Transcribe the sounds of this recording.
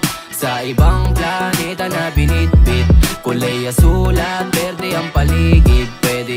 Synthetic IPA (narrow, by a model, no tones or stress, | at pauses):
sɐʔɪbɐŋplanɛːt̪ɐnɐbɪnit̪̚pɪt̪̚kʊlɛjːɐsuːlɐt̪̚pɛɾd̪ɛʔɐŋpɐliːɡɪt̪̚pːwɛd̪ɛ